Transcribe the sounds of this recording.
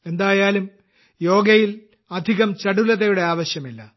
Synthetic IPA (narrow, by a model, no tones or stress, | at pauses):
e̞nd̪aːjaːlum | jo̞ːɡɐjil | ɐd̪ʱiɣɐmt͡ɕɐɽulɐðɐjuɽe̞aːʋɐɕjɐmilːɐ